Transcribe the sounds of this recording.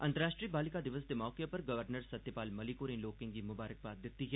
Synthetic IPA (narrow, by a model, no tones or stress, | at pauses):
ɐ̰̃nt̪əɾaːʃʈɾiːbaːlɪkad̪ɪʋəsd̪emɔːkepɐɾɡɐʋəɾnəɾsɐt̪ːjəpaːlmɐlikoːɾĩnloːkɪ̃ŋɡimʊbaːɾək̚baːt̪̚d̪ɪt̪ːiɦɛ